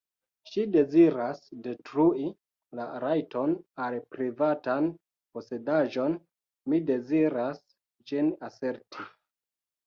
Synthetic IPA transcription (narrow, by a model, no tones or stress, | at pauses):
ʃide̞ziɾasde̞tɾui | laɾajtʰo̞nalpɾivatan | po̞se̞daʒo̞n | mide̞ziɾas | d͡ʒinase̞ɾtʰi